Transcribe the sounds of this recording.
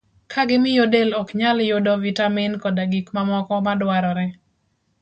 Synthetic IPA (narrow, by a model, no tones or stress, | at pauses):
kʰaɡɪmɪjodelɔkɲaljodɔvitamɪnkɔdaɡikmamɔkɔmadwaɾɔɾɛ